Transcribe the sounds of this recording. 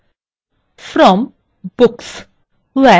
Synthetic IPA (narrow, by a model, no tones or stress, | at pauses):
fɾɔm | b̥ʊks | wɛ